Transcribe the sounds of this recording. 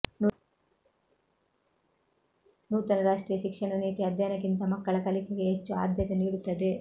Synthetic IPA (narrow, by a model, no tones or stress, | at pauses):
nuːt̪ɐnɐɾaːʂʈɾiːjɐʃikʂɐɳɐniːt̪iɐd̪ʱjanɐkint̪ɐmɐkːɐɭɐkɐlikʰeɡeɦet͡ʃːua̰ːd̪ʱjɐt̪eniːɽut̪ːɐd̪e